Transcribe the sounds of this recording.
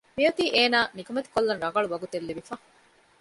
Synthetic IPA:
miɐt̪iːʔeːnaːnikumɐt̪i̥kolːɐnɾɐŋɡɐɭuʋɐɡut̪elːiʋifɐ

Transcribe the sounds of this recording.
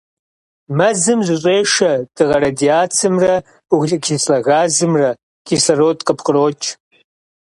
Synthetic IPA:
mɐzɨmzɨɕʼeːʂɐd̥ɨʁɐɾadiaːt͡sʰɨmrɐ | uɣɮʼɐkʰʲislɐɣaːzɨmrɐ | ɡ̥ʰisɐrotʼqʼəpʰqʼəroːt͡ʃʰʼ

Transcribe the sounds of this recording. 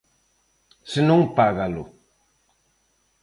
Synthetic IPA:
sinuŋpaɣalo̰

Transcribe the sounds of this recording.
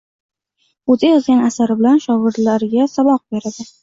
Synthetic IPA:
ɵzɪjɒzɡʲanasaɾɪbɪlanʃɒvɪɾlaɾɪɡʲasabɒq̚be̞ɾad̪ɪ

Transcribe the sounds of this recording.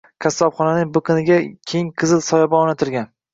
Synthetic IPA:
kʲʰasːɒpχɒnanɪŋbʊqʰɨnɪɡʲakʲʰejŋqʰɨzɪlsɒjabɒɒnat̪ʰɪlɡʲan

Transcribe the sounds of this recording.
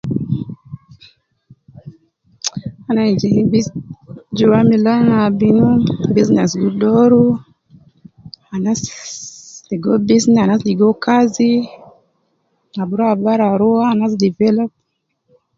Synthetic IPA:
anad͡ʒiŋbi | d͡ʒuwamilanabinubiznɛsɡudɔɾu | anas | liɡobiznanasliɡokʰazi | nabuɾabaɾaɾoaanas̬divɛlɔp̚

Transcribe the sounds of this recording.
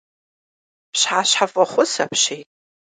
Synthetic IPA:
pʰʃħaɕħafʼaχʷʊsa̰pʰʃejtʼ

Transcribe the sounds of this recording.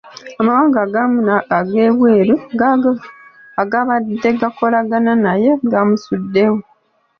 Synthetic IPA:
amawaːŋɡaɡamuaaɡe̞ːβwe̞ːɾuɡ | aɡaβadːe̞ɡako̞laɡananaje̞ɡamusudːe̞wo

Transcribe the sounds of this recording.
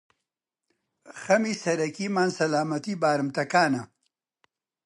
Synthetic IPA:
xɐmisɐɾɐkimaːnsɐlaːmɐt̪ibaːɾɨmt̪ɐkaːnɐ

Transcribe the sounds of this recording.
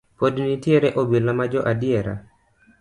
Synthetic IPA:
podnitjeɾeʔobilamad͡ʒɔʔadɪɛɾa̰

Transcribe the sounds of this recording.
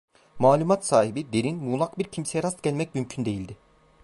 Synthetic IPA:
maːlʲumat̪saːɦibid̪e̞ɾinmuːlˠakbiɾcʰimsejɛɾast̪ɟælʲmɛc̚mymcʰynd̪e̞jilʲd̪ɪ

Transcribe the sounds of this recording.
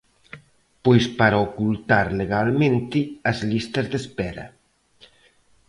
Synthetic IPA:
pojspaɾaokult̪aɾleɣalmẽnt̪ɪɐzlist̪ɐzðespɛɾɐ̰

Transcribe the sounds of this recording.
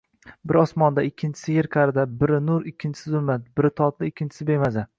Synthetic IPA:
bɪɾɒsmɒnd̪aɪkʲʰːɪnt͡ʃʰɪsɪjɪɾkʰɑɾɪd̪abɪɾɪnʊɾɪkʲʰːɪnt͡ʃʰɪ̥sɪzʊlmad̪ɪbɪɾɪt̪ʰɒt̪lɪɪkʲʰːɪnt͡ʃʰɪ̥sɪbemaza

